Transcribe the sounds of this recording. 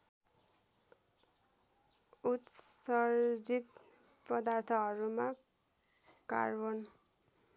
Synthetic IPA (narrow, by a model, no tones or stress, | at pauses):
ut̪sʌɾd͡zit̪ | pʌd̪art̪ʰʌɦʌɾuma | ka̰rbʌn